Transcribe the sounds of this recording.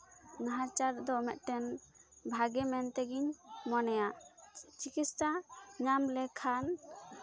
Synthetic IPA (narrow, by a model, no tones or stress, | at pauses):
naɦãt͡ʃaɾd̪ɔmɛt̪̚ˀt̪ɛnbʱaɡɛmɛnt̪ɛɡiɲmɔnɛjat͡ʃikit̪sʈaɲamlɛkʰan